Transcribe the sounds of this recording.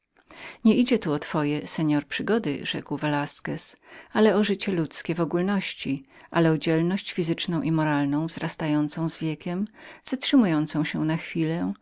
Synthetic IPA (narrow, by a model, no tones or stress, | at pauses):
ɲɛʔid͡ʑɛt̪uɔt̪fɔjɛsɛɲɔɾpʂɘɡɔd̪ɘ̰ʐɛ̰kwvɛlaskɛsalɛɔʐɘt͡ɕɛlut̪skʲɛvɔɡulnɔɕt͡ɕi | ʔalɛɔd͡ʑɛlnɔɕt͡ɕfʲizɘt͡ʂnɔ̃w̃ʔimɔɾalnɔ̃w̃vzɾast̪ajɔnt̪sɔ̃w̃zvʲjɛkʲɛmz̥atʂɘmujɔnt̪sɔ̃w̃ɕɛnaxfʲilɛ